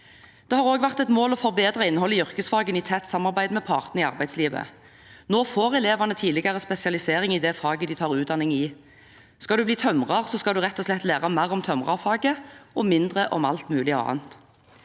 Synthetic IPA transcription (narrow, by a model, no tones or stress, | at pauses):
d̪̥ɛhɑːʁoːɡʋæʁt̪ɛt̪moːlɔfɔʁbeːd̪ʁɑɪnːəhɔlːəjʏʁkəsfɑːɡəniːt̪ʰɛt̪sɑmːɑʁbæɪd̪mɛpʰɑːʁt̪n̩ɪɑ̰ʁbæɪd̪sliːʋə̰ | noːfoːʁɛleːʋɑnət̪ʰiːdlɪɡɑʁəspɛsɪɑlɪseːʁɪŋɪd̪ɛfɑːɡəd̪ɪt̪ʰɑːʁʉːt̪d̪ɑnɪŋɪː | skɑd̪ʉːbliːt̪ʰœmʁɑʁsɔskɑd̪ʉʁɛt̪ːɔslɛt̪ːleːʁɑmæʁɔmt̪ʰœmʁɑ̰ʁfɑːɡəʔɔmɪnd̪ʁəʔɔ̰mɑ̰lt̪mʉːlɪɔɑ̰ːə̰nt̪